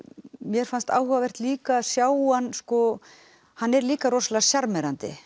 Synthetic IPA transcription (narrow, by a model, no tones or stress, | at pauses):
mjɛɾ̥fanst̪a̰ːwhɔvavɛr̥t̪liːkasjaːwanːskɔ | hanːɛɾliːkaɾɔslḁsjaɾmɛɾant̪ɪ̰